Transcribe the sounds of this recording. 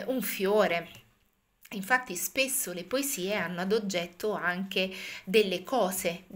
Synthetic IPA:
ʔuɱfjoːɾe | iɱfat̪ːispesːolepoeziːeanːoad̪od͡ʒːɛt̪ːoaŋk̟ed̪elːekɔːze

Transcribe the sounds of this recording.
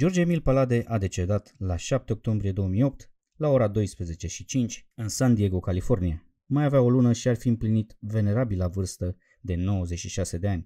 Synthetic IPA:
d͡ʒo̞rd͡ʒemilpalad̪e̞ʔad̪e̞t͡ʃe̞d̪at̪laʃap̚t̪eo̞k̚t̪o̞mbɾije̞d̪o̞wəmijo̞p̚t̪ | lao̞ɾad̪o̞jspɾe̞ze̞t͡ʃe̞ʃit͡ʃint͡ʃʲɨnsand̪ie̞ɡokalifo̞rnia | majaveao̞lunəʃiarfiɨmplinit̪ve̞ne̞ɾabilavɨrst̪ə | d̪e̞no̞wəze̞t͡ʃʃiʃase̞d̪e̞anʲ

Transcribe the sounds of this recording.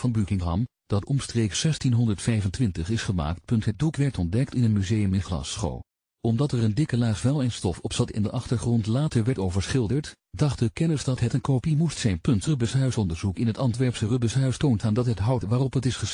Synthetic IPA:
vɑnbykɪŋɦɑ̰m | d̥ɑtɔmstrejksːɛstinɦɔndəɹtfɛjvəntʋɪntəχɪsχəma̰ːk̚t̚pɵntɦət̚dukʋɛɹtɔndɛktɪnənmyzejəmɪnχlɑ̰sχo̰w | ɔmdɑtɛɹəndɪkəlaːsʋɛlˠejnstɔfɔpsɑtɪ̰ndəʔɑχtəɹχrɔntlaːtəɹʋɛɹtowvəɹsχɪlˠdəɹt | dɑχ̚dəkɛnəsdɑtɦətənkowpimustsɛjnpɵntrəbəsɦœɥsɔndəɹzukɪnɦətɑntʋɛɹpsərəbəsɦœɥstowntaːndɑtɦətɦɑwtʋaːrɔpɦətɪsχəs

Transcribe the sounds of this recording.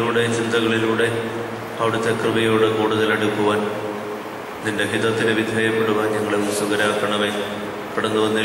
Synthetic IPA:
uːɽe̞t͡ɕind̪ɐɣɐɭiluːɽe̞ | ɐʋiɽut̪ːekrɨbɐjo̞ːɽekuːɽuðɐleɽukːuʋaːn | ninde̞ɦid̪ɐt̪ːineʋid̪ʱeːjɐpːeɽuʋaːɲɐŋːɐɭesuɡɐɾaːkːɐɳɐʋe | piɽɐnːuʋɐnːi

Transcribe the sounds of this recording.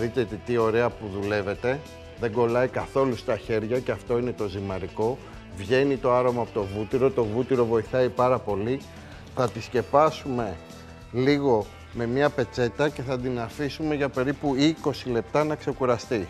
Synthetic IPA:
ðit̪et̪it̪io̞ɾe̞ɐpuðule̞ve̞t̪e̞ | ðe̞ɡo̞lɐikɐθo̞lust̪ɐçe̞ɾʝɐce̞ɐft̪o̞ine̞t̪o̞zimɐɾiko̞ | vʝe̞nit̪o̞ɐɾo̞mɐːpot̪o̞vut̪iɾo̞t̪o̞vut̪iɾo̞vo̞iθɐipɐɾɐpo̞li | θɐt̪isce̞pɐsume̞ | liɣo̞ | me̞miɐpe̞t͡se̞t̪ɐce̞θɐnd̪inɐfisume̞ʝɐpe̞ɾipuiko̞sile̞p̚t̪ɐnɐkse̞kuɾɐst̪i

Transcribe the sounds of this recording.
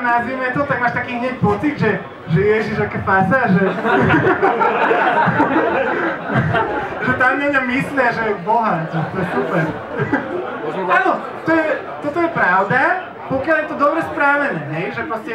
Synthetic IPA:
nazʋimɛt̪ot̪akmaʃt̪akiɲɛipot̪ikʒɛ | ʒɛjɛʒiʃakɛfasaʒɛ | ʒɛt̪amʲɛɲamisliaʒɛboɦat̪ɛt̪ojɛsupɛɾ | alo | t̪ojɛ | t̪ot̪ojɛpɾawd̪a | pokʲjalˠɛt̪od̪ɔbɾɛspɾaʋɛnɛnɛʒɛpɾostɛ

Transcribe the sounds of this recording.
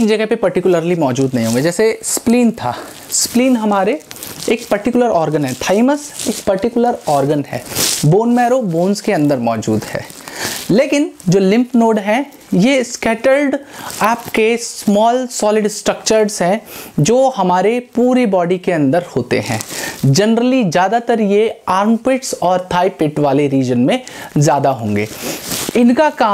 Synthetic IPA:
ɪd͡ʒɐɡəɦpepɐɾʈɪkjʊləɾlimɔːd͡ʒuːd̪nɐɦĩɦoːɡed͡ʒɛːsespliːnt̪ʰa̰ː | spliːnɦɐmaːɾeeːk̚pɐɾʈɪkʊləɾɔːɾɡənɦɛ̃t̪ʰaːɪməseːkpɐɾʈɪkʊləɾɔːɾɡənɦɛ̰ːboːnmɛːɾoboːnskeɐ̃nd̪əɾmɔːd͡ʒṵːd̪hɛ̰ː | leːkɪnd͡ʒoːlɪ̃mpnoːɖɦɛ̃ | jeskɛːʈəɾɖɛːpkesmɔːlsɔːlɪɖsʈɾəkt͡ʃəɾsɦɛ̃d͡ʒoːhɐmaːɾepuːɾibɔːɖikeɐ̃nd̪əɾhoːt̪ḛɦɛ̰̃ːd͡ʒɐnɾəlid͡ʒjaːd̪at̪əɾjeaːɾmpɪʈsɔːɾt̪ʰaːipɪʈʋaːleɾiːd͡ʒənmẽzjaːd̪aɦõːŋɡḛːɪnkakaː

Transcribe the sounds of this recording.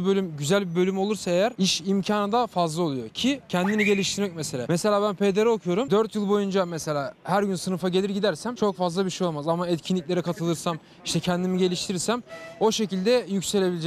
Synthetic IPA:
bø̞lʲymɟyzælʲbibø̞lʲymo̞lˠuɾsaejæɾiʃimcʰaːnad̪afazlˠao̞lˠujo̞cʰicʰɛnd̪iniɟe̞lʲiʃt̪ʰiɾmɛc̚mese̞lʲa̰ːmese̞lʲaːbænpʰe̞d̪eɾɛokʰujo̞ɾumd̪øɾt̪jɯlˠbo̞jund͡ʒamese̞lʲaːhæɾɟynsɯnɯfaɟe̞lʲiɾɟid̪æɾsæmt͡ʃʰo̞kfazlˠabiʃejo̞lˠamazamaɛt̪cʰinlʲic̚lʲe̞ɾɛkʰat̪ʰɯlˠɯɾsam | iʃt̪ʰɛcʰɛnd̪imiɟe̞lʲiʃt̪ʰiiɾsæmo̞ʃe̞cilʲd̪ɛjycse̞lʲe̞bilʲid͡ʒɛ

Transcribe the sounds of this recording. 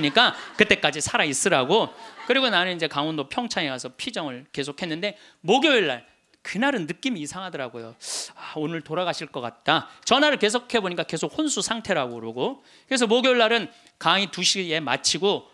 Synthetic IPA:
ɲik͈akɯt͈e̞k͈ad͡ʑisʰaɾais͈ɯɾaɡokɯɾiɡonanɯnid͡ʑe̞kaŋondopʰjʌŋt͡ɕʰaŋeɡasʰʌpʰid͡ʑʌŋɯɭke̞sʰokʰhe̞nːɯnde̞ | moɡjoiɭːa̰ɭ | kɯnaɾɯnːɯk͈imiːsʰaŋɦadʌɾaɡojoaonɯɭtoɾaɡaɕʰiɭk͈ʌk͈at̚t͈at͡ɕʌnaɾɯɭke̞sʰokʰe̞boɲik͈ake̞sʰok̚honsʰusʰaŋtʰe̞ɾaɡoɾoɡo | kɯɾes̬ʰʌmoɡjoɭːaɾɯn | kaŋituɕʰie̞mat͡ɕʰiɡo

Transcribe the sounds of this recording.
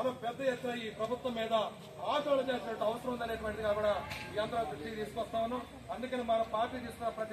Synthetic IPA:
ɐnɐpɛd̪ːɐjet̪ːɐiːpɾɐbʱut̪ʋɐmːiːd̪ɐ | aːt͡ʃɔːɭɐt͡ʃeːsinɐʈːuɐʋɐsɐɾɐmund̪ɐleʈuʋɐɳʈid̪ikaːkɐɽɐiːɐnd̪ɐɾɐt̪id̪iːspɐst̪ʰɐʋnu | ɐnd̪ikɐnmɐɾɐpaːɾʈiːd̪iːskɐɾɐpɾɐt̪

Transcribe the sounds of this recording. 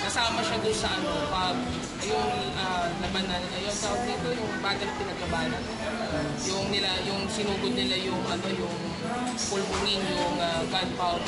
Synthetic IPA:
kɐsaːmɐʃad̪ʊnsɐʔɐnopɐɡ̚ | ɐjoŋ | alɐmanːanɪnɐjo̞nt̪apɐɡ̚d̪it̪ojʊŋbaːɡ̪ɐŋpɪnɐɡ̚ɐbaːlɐn | jʊŋnɪlajʊŋsɪnuːɡod̪̚nɪlajʊŋʔɐno̞jʊŋ | pʊlmʊŋɪnjʊŋaɡad̪̚paw

